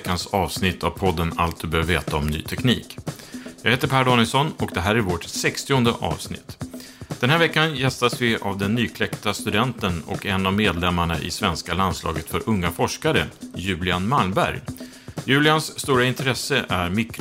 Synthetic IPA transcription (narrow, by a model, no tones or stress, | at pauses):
kːansɑːvsnɪt̪ʰːavpʰɔd̪ːəna̰lt̪̚d̪ɵbøːvveːt̪aɔmny̰ːt̪ʰɛknḭːkjɑːɡheːt̪əɾpʰæːɖɑːnɪlsɔnɔk̚d̪ɛɦæːɾæɾvoːʈsɛkst̪ɪʊnd̪ə̰ʔɑ̰ːvsnɪ̰t̪ː | d̪̥ɛnɦæːɾvɛkːanjɛst̪asvɪavd̪ɛnːyːkʰlɛkt̪ast̪ɵd̪ɛnt̪ənɔ̰kɛnːavmeːd̪lɛmːaɳa̰ʔɪ̰svɛnskaland̪slɑ̰ːɡət̪fœɾʔɵŋːafɔʂkaɾəjʉ̟ːlɪanmalmbæ̰ɾj | jʉ̟ːlɪansːt̪uːɾaɪnt̪ʰɾɛsəʔæɾmɪkːɾ